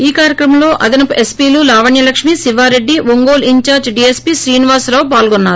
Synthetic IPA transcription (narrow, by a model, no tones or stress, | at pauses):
iːkaːɾjɐkɾɐmɐmlo̞ːʔɐd̪inɐpuʔe̞spiːluːlaːʋɐɳjɐlɐkʂmiːsiʋaːɾe̞ɖːiʋoŋɡoːliɲt͡ʃaːɾd͡ʒɖiːespiːʃɾiːniʋaːsɾaːwupaːlɡonːaːɾu